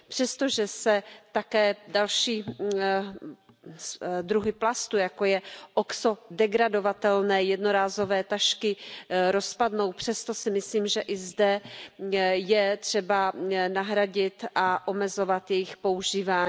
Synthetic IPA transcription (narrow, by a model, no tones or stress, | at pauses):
pr̥ɛst̪o̞ʒɛsɛt̪akɛːdalʃiː | d̪ɾuɦɪplast̪ujakojɛʔokso̞dɛɡɾado̞vat̪ɛlnɛːjɛdno̞ɾaːzo̞vɛːt̪aʃkɪɾo̞spadno̞wpr̝̥ɛst̪o̞sɪmɪsliːmʒɛʔɪzdɛ | jɛt̪r̝̥ɛbanaɦɾaɟɪt̪ʔaʔo̞mɛzo̞vat̪jɛjɪxpo̞uʒiːvaːɲː